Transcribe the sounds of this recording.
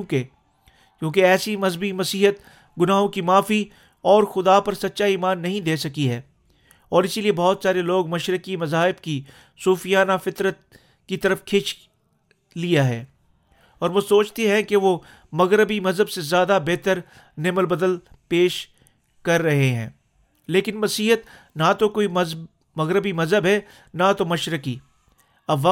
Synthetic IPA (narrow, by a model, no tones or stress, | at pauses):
ke | kjõːkeɛːsimɐzbimɐsiːɦət̪̚ | ɡʊnaːɦõkimaːfi | ɔːɾxʊd̪apɐɾsɐt̪ːʃaiːmaːnːɐɦĩd̪eːsɐkiɦɛː | ɔːɾɪsiliebɔːt̪saːɾeloːɡmɐʃɾəkimɐzaːɦɪbki | suːfijaːnafɪt̪ɾət̪̚ | kit̪ɐɾəfkʰɪt͡ʃ | lijaɦɛː | ɔːɾʋosoːt͡ʃt̪eɦɛ̃keʋo | mɐɣɾɪbimɐzəbsezjaːd̪abeːt̪əɾ | nɪməlbɐd̪əl | peːʃ | kɐɾːɐɦeɦɛ̰̃ː | leːkɪnʋɐsiːɦət̪ | nat̪okoːimɐ | mɐɣɾɪbimɐzɦəbɦɛ | nat̪omɐʃɾəki | ɐbʋa